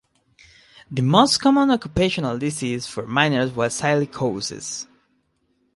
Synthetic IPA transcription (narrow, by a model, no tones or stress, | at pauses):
ðɨmostkʰɔmə̃nɔkjupeʃɔ̃nalˠdisiz̥fɔɹmãɪ̃nə˞zwəzsaɪlikʰoʊsɨ̰s